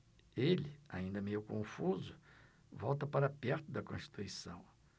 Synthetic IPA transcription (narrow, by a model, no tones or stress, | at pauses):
elɪa̰ĩnd̪ɐmejʊkõfuzʊ | vɔwt̪ɐpaɾɐapɛɾt̪ʊd̪ɐkõst͡ʃi̥t̪ujsɐ̰̃w̃